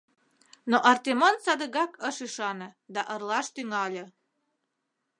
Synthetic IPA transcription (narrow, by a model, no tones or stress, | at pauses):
noʔɑrt̪emonsɑd̪əɣɑkəʃyʃɑnɤ̆d̪ɑʔərlɑʃt̪yŋɑlʲĕ